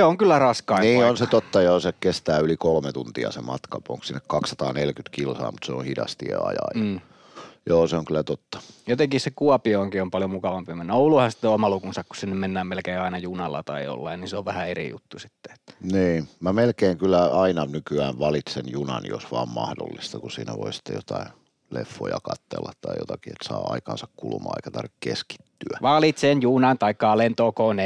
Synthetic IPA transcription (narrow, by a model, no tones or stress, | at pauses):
seoŋkylːærɑskɑiniːonset̪ot̪ːɑjoːsekest̪æːylikolmet̪unt̪iɑ̰semɑ̰t̪kɑpo̰ŋksinːekkɑkssɑt̪ɑːnelkyt̪kilsɑ̰ːmut̪seõ̰hidɑ̰st̪ḭḛɑ̰jɑ̰jː | joːseoŋkylæt̪ot̪ːɑ̥jot̪eŋkissekuɑpioːŋkiompɑljomukɑʋɑmpimenːæouluhɑsi̥t̪ːeomɑlukunsɑkku̥ssinːemmenːæːmmelkeiɑinɑjunɑlːɑ̰t̪ɑijo̰lːɑinninseoʋʋæhæerḭjṵt̪ːusi̥t̪ːe̥e̥t̪ːæ̥niːmæmelkeːŋkylːˑæɑinɑnykyæːʋʋɑlit̪senjunɑnḭo̰sʋɑːmmɑhdo̰lːist̪ɑkusḭːnæʋo̰isi̥t̪ːḛjot̪ɑi | lefːo̰jɑkɑt̪ːḛlːɑt̪t̪ɑijo̰t̪ɑkiet̪sɑ̰ːɑ̰ikɑnsɑkkulmˑɑ̰ːḛikæt̪ɑrʋikkeski̥t̪ːyæʋɑlit̪senjunɑnt̪ɑikːɑːlent̪oːkone